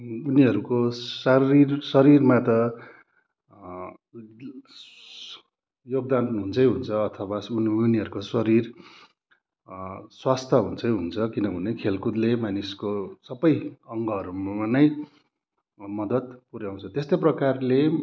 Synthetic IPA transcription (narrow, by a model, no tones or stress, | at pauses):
uniɦʌɾukosʌirsʌɾirmat̪ʌ | joɡ̚d̪anɦunt͡sʰʌjɦunt͡sʰʌːt̪ʰʌwauniɦʌɾukosʌɾir | swast̪ʰʌɦunt͡sʰʌjɦunt͡sʰʌkinʌbʱʌnekʰelkud̪lemaniskosʌbʌjʌŋɡʌɦʌɾummanʌj | mʌd̪ʌt̪puɾjaw̃t͡sʰʌt̪est̪ʌjprʌkarle